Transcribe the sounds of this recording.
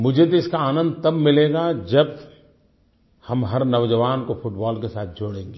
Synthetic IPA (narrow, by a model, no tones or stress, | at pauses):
mʊd͡ʒʱet̪iɪskaaːnə̃nd̪̚t̪ɐbmɪleːɡad͡ʒɐb | hɐmɦɐɾnɐʋd͡ʒəʋaːnkofʰʊʈbɔːlkesaːt̪̚ʰd͡ʒoːɽẽːŋɡeː